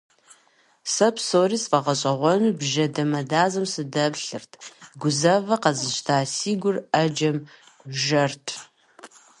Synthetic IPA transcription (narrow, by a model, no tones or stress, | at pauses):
sɐpʰsoːriːsqɐʁɐɕʼɐʁʷɔnubʒɐdɐmɐdaːzɐmsɨdɐpɬɨrtʰɡʷʊzɐvɐqɐzɨɕtʰaːsiːɡʷʊrɐd͡ʒɐm | ʒɐrtʰ